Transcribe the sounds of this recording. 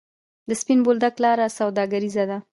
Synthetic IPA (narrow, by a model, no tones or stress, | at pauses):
d̪əspinbold̪aklɑɾasawd̪ɑɡaɾizad̪a